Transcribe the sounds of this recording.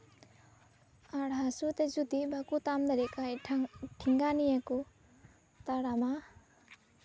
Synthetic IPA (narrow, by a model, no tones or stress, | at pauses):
aɽɦasut̪ezud̪ibakut̪amd̪aɾikajʈʰiŋɡanijaku | t̪aɽama